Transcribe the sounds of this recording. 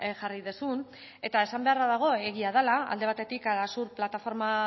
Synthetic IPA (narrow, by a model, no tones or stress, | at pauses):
ʝariðusun | e̞t̪ae̞sambe̞araðaɣ̞o̞eɣ̞iað̞alaa̰ld̪e̞βat̪e̞t̪ikalasuɾplat̪afo̞ɾma